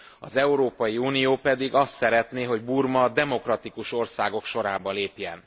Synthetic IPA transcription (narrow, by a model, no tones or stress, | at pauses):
ɒ̰zɛuɾoːpɒjiuːnijoːpɛd̪iɡɒst̪sɛɾɛt̪neːɦo̞ɟburmɒd̪ɛmo̞krɒt̪ikuʃo̞rsaːɡo̞kʃo̞ɾaːbɒleːpjɛn